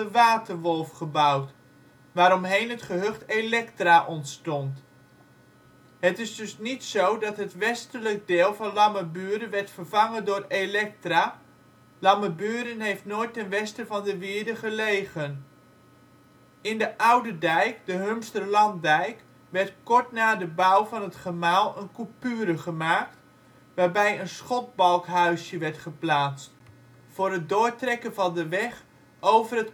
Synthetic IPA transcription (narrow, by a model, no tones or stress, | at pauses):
əʋaːtərʋɔlˠfχəbʌwt | ʋaːɾɔmɦejnɦətχəɦøχtelɛktraʔɔntstɔnt | ɦətɪzdɵsnitsowdɑtɦətʋɛstələk̚deːlˠvɑnlɑməbyːɾənʋɛɹtfərvɑŋəndʊːrelɛk̚traː | lɑməbyːɾənɦejftnoːjtɛnʋɛstəvɑndəʋɪːədəχəlejχən | ɪndəʔawdədɛjkdəɦømstərlɑndɛjk | ʋɛɹtkɔɹtnaːdəbʌwvɑnɦətχəmaːlˠənkupyːɾəχəmaːkt | ʋaːɹbɛjənsχɔt̚bɑlˠkɦœɥsjəʋɛɹtχəplaːst͡st | fʊːrɦət̚dʊːɹtrɛkənvɑndəʋɛχ | owvərət